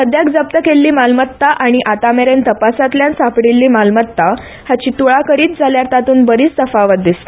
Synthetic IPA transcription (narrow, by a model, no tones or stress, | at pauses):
səd̪jakd͡zəp̚t̪əkelːiːmalmət̪ːaʔaɽ̃iʔat̪ameɾent̪əpasat̪ljãnsapɽilːiːmalmət̪ːa | hat͡ɕiːt̪uɭakəɾiːt̪̚d͡zʱaljaɾt̪at̪uːnbəɾiːt͡st̪əfaʋət̪̚d̪ist̪